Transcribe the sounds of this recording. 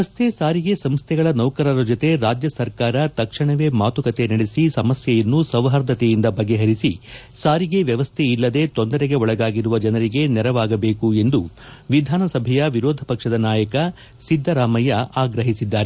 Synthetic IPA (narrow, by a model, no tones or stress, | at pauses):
ɐst̪ʰe̞saːɾiɡe̞sɐmst̪ʰɛɡɐɭɐnɐwkɐɾɐɾɐd͡ʒot̪e̞ɾaːd͡ʒjɐsɐɾkaːɾɐt̪ɐkʂɐɳɐʋe̞maːt̪ukɐt̪e̞nɐɽesisɐmɐsjɐjɐnːusɐʋɦɐɾd̪ʱɐt̪ejind̪ɐbɐɡːe̞ɦɐɾisi | saːɾiɡe̞ʋjɐʋɐst̪ʰeilːɐd̪e̞t̪ond̪ɐɾeɡe̞ɔɭɐɡaːɡiɾuʋɐd͡ʒɐnɐɾiɡe̞nɛɾɐʋaːɡɐbe̞ːkue̞nd̪uʋid̪ʱaːnɐsɐbʱɛjɐʋiɾoːd̪ʱɐpɐkʂɐd̪ɐnaːjɐkɐ | sid̪ʱːɐɾaːmɐjɐʔaːɡɾɐɦisid̪ːaːɾe